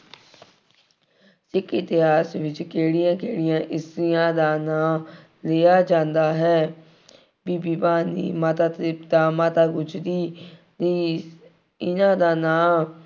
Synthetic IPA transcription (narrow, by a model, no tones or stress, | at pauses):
sɪkɪt̪ɪɦaːsʋɪt͡ʃkeːɽɪjãːkeːɽɪjãːʔɪsɪjãːd̪aːnãː | leːaːd͡ʒãːnd̪aːɦɛː | biːbiːbaːnḭːmaːt̪aːt̪ːpd̪aːmaːt̪aːɡʊt͡ʃd̪iː | niː | ɪnãːd̪aːnãː